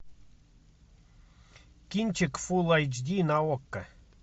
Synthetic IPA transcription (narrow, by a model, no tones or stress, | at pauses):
kʲinʲt͡ɕekfulˠajd͡ʑd̪ʲinaokːə